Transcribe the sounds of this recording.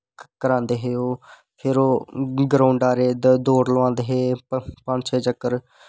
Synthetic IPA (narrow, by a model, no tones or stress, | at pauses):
kəɾãːnd̪eːɦeːoː | pʰɪɾoːɡɾaːʊɳɖaːɾeːd̪d̪oːɾləʋãːnd̪eːɦeːpəpənd͡ʒt͡ʃʰeːd͡ʒəkːəɾ